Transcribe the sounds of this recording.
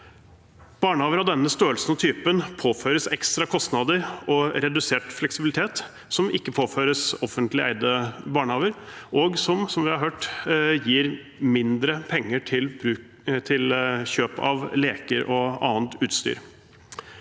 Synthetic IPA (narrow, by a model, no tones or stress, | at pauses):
b̥ɑːɳəhɑːʋəɾɑd̪ɛnːəst̪øːəlsən̩ɔt̪ʰyːpənpʰoːfœʏɾəsɛkst̪ɾɑkʰɔst̪nɑd̪əɾɔɾɛd̪ʉseːʈflɛksɪbɪlɪt̪ʰeːt̪ | sɔmʔɪkːəpʰoːføːɾəsɔfːənt̪lɪæ̰ɪd̪əbɑːɳəhɑːʋəɾʔɔɡsɔmsɔmʋɪhɑɾɦøːʈjiːɾ | mɪnd̪ɾəpʰɛŋːəʈʰɪlbɾʉː | t̪ʰɪlçøːpɑ̰ʋleːkəɾʔɔɑ̰ːənt̪ʉːt̪st̪y̰ːɾ